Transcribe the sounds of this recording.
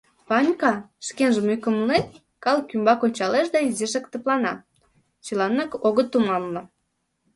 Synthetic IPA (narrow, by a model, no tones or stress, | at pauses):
pɑnʲkɑʃkenʒə̆myjkə̆mlen | kɑlkymbɑkonʲt͡ɕɑleʃd̪ɑizeʃekt̪ə̆plɑnɑ | t͡ɕəlɑnːɑkoɣət̪ːumɑmnɤ̆